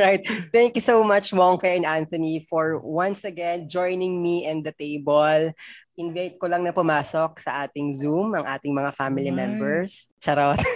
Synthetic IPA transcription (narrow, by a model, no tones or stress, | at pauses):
ɹaɪt̪̚θɛŋkjusowmɐt͡ʃmoŋkɛɛnʔant̪ɐnifɔɹwɐ̃nsɐɡɛnd͡ʒɔjnɪŋmiʔɛ̃nd̪ɐt̪ejbolʔɪnvajt̪̚kolɐŋnɐpʊmaːsok̚sɐʔaːt̪ɪŋzumɐŋʔa̰ːt̪ɪŋmɐŋafamɪlimɛmbɛɹst͡ʃɐɾot̪